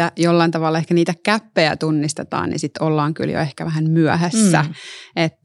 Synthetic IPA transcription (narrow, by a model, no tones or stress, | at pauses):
æjolːɑint̪ɑʋɑlːɑekæniːt̪ækæpːejæ̰t̪unːist̪et̪ɑ̰ːnḭnsit̪olːɑːŋky̰ljo̰ehkæʋæhæmmyœɦæsːæ̰et̪ː